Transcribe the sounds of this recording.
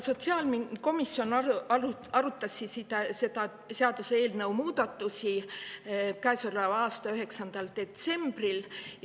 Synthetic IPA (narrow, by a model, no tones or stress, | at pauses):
so̞t̪siɑːlmiko̞misio̞n | ɑɾut̪ːˑɑsːisid̪̥ɑse̞d̪ɑ | seɑd̪̥usee̞ːlnɤwmuːd̪̥ɑt̪ːˑusʲi | kæesolɑɑːst̪ɑyɦe̞ksɑnd̪̥ɑld̪̥e̞t̪se̞mb̥ril